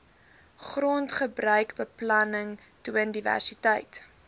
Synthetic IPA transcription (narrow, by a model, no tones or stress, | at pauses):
χrontχəbrœɥkbəplɐnəŋ | tuəndivæ̰rsitəjt